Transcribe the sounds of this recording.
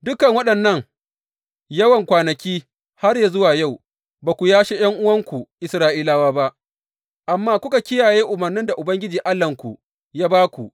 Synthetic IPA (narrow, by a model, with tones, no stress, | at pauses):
dʊ˦kɐ˨ŋwɐ˦ɗɐ˨nːɐ˦˨ŋ | jɐ˦wɐ˨ŋkʷaː˨nɐ˨kʲiː˦ | ha˦rja˨zʊ˦waː˨ja˦˨w | baː˨kʷu˨jaː˦ʃeː˦j̰ɐ˦ŋʔʊ˦wɐ˦ŋkʷu˨ʔɪ˨sɾaː˦ʔiː˦laː˦waː˦ba˦ʔ | ʔa˨mːaː˦kʷʊ˦ka˨kʲɪ˦jaː˨jeː˦ʔʊ˨mɐ˨rnɪ˦nda˨ʔʊ˨bɐ˦ŋɡʲɪ˦d͡ʒiː˨ʔa˦lːɐ˨ŋkʷu˨ | jaː˦baː˦kʷu˨